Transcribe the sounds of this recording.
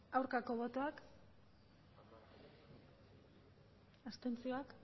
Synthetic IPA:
awɾkako̞βo̞t̪o̞ak | ast̪e̞nt͡sio̞ak

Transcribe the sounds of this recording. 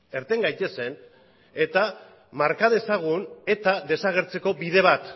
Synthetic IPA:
e̞ɾt̪e̞ŋɡajt̪e̞se̞n | e̞t̪a | maɾkaðe̞saɣ̞une̞t̪aðe̞saɣ̞e̞ɾt͡se̞ko̞biðe̞β̞at̪

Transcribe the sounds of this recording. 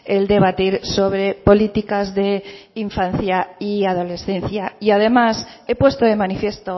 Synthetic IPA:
eld̪e̞β̞at̪iɾso̞β̞ɾe̞po̞lit̪ikazðe̞iɱfan̟θjaiað̞o̞le̞sθẽ̞nθjaiað̞e̞mas | e̞pwe̞st̪oemanifje̞st̪o

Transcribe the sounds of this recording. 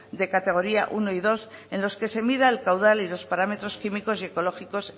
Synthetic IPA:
d̪e̞kat̪e̞ɣ̞o̞ɾiaʔuno̞iðo̞se̞nlo̞ske̞se̞miðaelkawð̞alilo̞spaɾame̞t̪ɾo̞skimiko̞sie̞ko̞lo̞xiko̞s

